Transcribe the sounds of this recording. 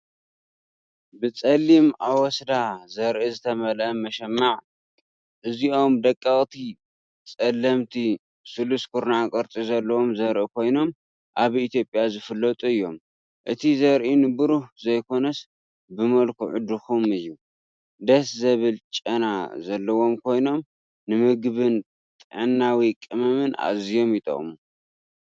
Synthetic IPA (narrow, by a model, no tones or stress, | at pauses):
bɨt͡sʼɐlːimawɔsd̪azɐɾʔizɨt̪ʰɐmɐlɐmɐʃɐmːaʕ | ʔɨzio̞md̪ɐkʼːɐχʼt̪ʰi | t͡sʼɐlːɐmt̪ʰi | sɨluskʰuɾnakʼɐɾt͡s̪ʼizɐlːɐwo̞mzɐɾʔikʰo̞jno̞m | ʔaβit̪ʰjo̞pʼjazɨfɨlːɐt̪ʼuɨjːo̞m | ʔɨt̪ʰizɐɾʔinɨbɨɾuhzɐjkʰo̞nɐs | bɨmɐlkʰṵʕʊd̪ɨxumɨjːu | d̪ɐszɐβɨlt͡ʃʼɐna̰zɐlːɐwo̞mkʰo̞jno̞m | nɨmɨɡβɨn | t̪ʼɨʕɨnːawikʼɨmɐmɨnʔa̰zijo̞mit̪ʼo̰m